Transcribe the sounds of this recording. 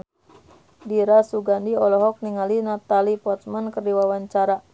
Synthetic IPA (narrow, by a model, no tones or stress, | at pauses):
diɾasuɡandiɔlɔɦɔk̚niŋalinat̪alipɔt̪̚mənkərdiwawaɲt͡ʃaɾa